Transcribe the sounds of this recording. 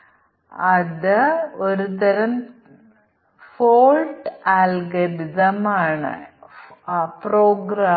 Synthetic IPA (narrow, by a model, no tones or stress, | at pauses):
ɐðɐɔɾɯt̪ɐɾɐm | foːlʈaːlɡɐd̪ɪd̪ɐmaːɳɐ̰ | pɾoːɡɾa